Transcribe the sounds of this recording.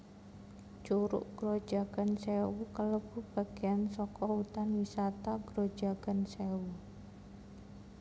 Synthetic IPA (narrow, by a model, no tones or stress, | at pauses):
t͡ʃuɾʊ̰ʔɡ̥ɾo̥ʒ̥a̤ɡ̥ansewukələb̥ṳb̥a̤ɡ̥ejansɔkɔut̪anwisat̪aɡ̥ɾod̥d͡ʒ̥aɡ̥ansewu